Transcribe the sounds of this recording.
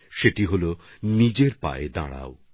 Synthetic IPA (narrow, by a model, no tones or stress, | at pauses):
ʃeʈiɦolonid͡ʑeɾpa̰ed̪a̰ɽa̰o